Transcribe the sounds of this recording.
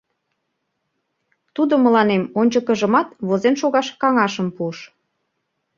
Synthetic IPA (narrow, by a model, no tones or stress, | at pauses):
t̪ud̪omə̆lɑnemonʲt͡ɕəkə̆ʒə̆mɑt̪βozenʃoɣɑʃkɑŋɑʃəmpuəʃ